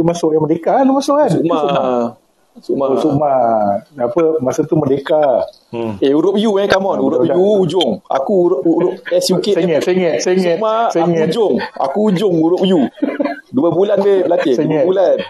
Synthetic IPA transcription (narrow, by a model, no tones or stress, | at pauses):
t̪umasʊʔjaŋmədekalamasʊʔanma | uosumadapəmasət̪umədeka | euɾʊp̚ijuɛkamɔnuɾʊuud͡ʒʊŋa̰kuuɾʊpuɾʊpɛsukɪeɛseŋɛt̪seŋɛ̃t̪aseŋɛ̃d͡ʒʊŋa̰kuːd͡ʒʊŋuɾʊp̚ju | duəbulanbelat̪ɪseɛbulan